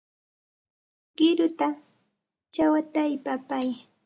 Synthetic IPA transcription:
ɢ̥ɪɾʊt̪a | t͡ʃawat̪ajpapaj

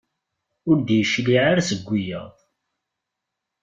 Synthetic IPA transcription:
ʊɾd̪jəʃliʕaɾasəɡʷːijə̰ðˤ

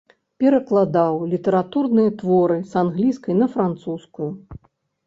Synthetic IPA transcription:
pʲɛɾɐklˠad̪awlʲit̪ɛɾat̪urnɨjɐt̪vɔɾɨsanɣlʲiskɐjnɐfɾant̪suskuju

